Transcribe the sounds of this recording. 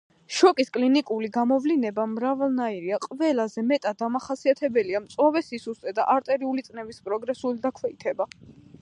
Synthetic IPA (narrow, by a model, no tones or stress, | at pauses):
ʃɔkʼiskʼlinikʼuliɡamɔvlinɛbamɾavalˠnaiɾiaqʼvɛlˠazɛmɛt̪ʼad̪amaχasiat̪ʰɛbɛliamt̪sʼwavɛsisust̪ʼɛd̪aʔaɾt̪ʼɛɾiulit̪sʼnɛbispʼɾɔɡɾɛsulid̪akʰwɛit̪ʰɛba